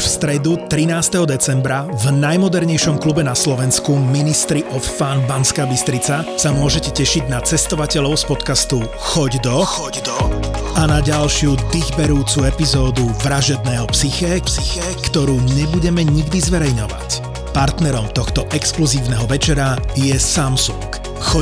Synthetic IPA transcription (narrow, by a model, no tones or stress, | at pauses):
fst̪ɾɛd̪ut̪ɾinaːst̪ɛɦɔd̪ɛt͡sɛmbɾavnajmɔd̪ɛɾɲɛjʃɔmklubɛnaslɔʋɛnskuminist̪ɾiʔɔffaːnbanskaːbist̪ɾit͡sasamʊɔʒɛcɛcɛʃiɟnat͡sɛst̪ɔʋacɛʎɔʊspɔt̪kast̪u | xɔɟd̪ɔ | anaɟalʃɪud̪iɣbɛɾuːt͡suɛpizɔːd̪uʋɾaʒɛd̪nɛːɦɔpsixɛ | kt̪ɔɾuːɲɛbuɟɛmɛɲiɡd̪izʋɛɾɛjɲɔʋa̰c | paɾt̪nɛɾɔmt̪ɔxt̪ɔʔɛkskluziːʊnɛɦɔʋɛt͡ʃɛɾajɛsamsuŋk | xɔ